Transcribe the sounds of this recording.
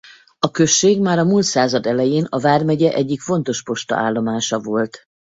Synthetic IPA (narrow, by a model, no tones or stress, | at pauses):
ɒkø̞ʃːeːɡmaːɾɒmuːlt̪saːzɒd̪ɛlɛjeːnɒvaːrmɛɟɛʔɛɟːikfo̞n̪t̪o̞ʃpo̞ʃt̪ɒ̰ʔaːlːo̞maːʃɒvo̞lt̪